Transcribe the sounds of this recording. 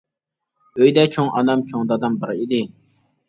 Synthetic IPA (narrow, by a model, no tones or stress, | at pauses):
øjd̪ɛt͡ʃʰoŋɑnɑmt͡ʃʰoŋd̪ɑd̪ɑmbəɾid̪ɪ